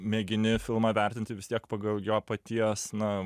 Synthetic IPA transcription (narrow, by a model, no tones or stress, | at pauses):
mʲɛːɡʲɪnʲɪfʲɪlˠmɐʋʲæɾʲt̪ʲɪnʲt̪ʲɪʋʲɪst̪ʲiɛkpɐɡɐlˠjoːpɐt̪ʲiɛsnɐ